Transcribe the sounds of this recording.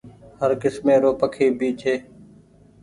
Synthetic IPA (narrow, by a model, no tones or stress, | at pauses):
həɾkɪsmẽːɾoːpəkʰiːbiːt͡ʃʰeː